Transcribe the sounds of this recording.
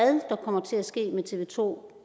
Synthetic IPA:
ðˠd̥ɑ̈kʰɒ̽m̰ɐt͡sʰe̝læsɡ̥e̝̰ːmet͡sʰe̝ʋe̝ːt͡sʰo̝̰ː

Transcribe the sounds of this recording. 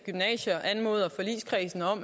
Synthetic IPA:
ɡ̥ymnɛ̰ːɕɐʔænmo̝ːð̞ˠɐfɒ̽lḭːskʰʁɛːsn̩ɒ̽m̰

